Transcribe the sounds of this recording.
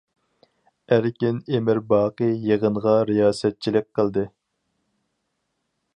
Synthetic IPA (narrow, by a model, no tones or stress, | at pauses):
æɾkʲinemɪɾbɑːqɨjeʁənʁɑɾijɑːsɛt̪̚t͡ʃʰilɪk̚ʲqʰəlˠd̪ɨ